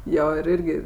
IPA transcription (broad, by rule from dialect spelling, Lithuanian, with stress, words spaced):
ˈjoː ɪr ˈɪrʲɡʲɪ